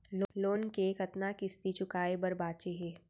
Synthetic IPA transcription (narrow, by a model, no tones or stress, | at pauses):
loloːnkekɐt̪nakɪst̪it͡ʃʊkaːebɐɾbaːt͡ʃeɦɛː